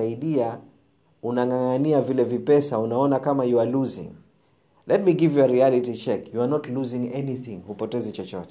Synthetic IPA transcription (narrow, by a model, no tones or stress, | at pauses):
aiɗia | unaŋaŋaniavilɛvipɛsaunaɔnakamajualuzḭ̃ŋ | lʔɛt̚miɡivjuaɾialitit͡ʃɛkjuanɔtluzĩŋɛniθĩŋhupɔtɛzit͡ʃɔt͡ʃɔ̰tɛ̥